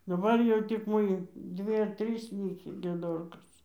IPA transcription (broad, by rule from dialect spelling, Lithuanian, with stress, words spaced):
dɐˈbɐr jɛʊ tʲɪk ˈmoːjɪ ˈdʲʋʲɪ ɐr ˈtʲrʲiːs ˈlʲiːkʲiː ɡʲiɛˈdoːrkoːs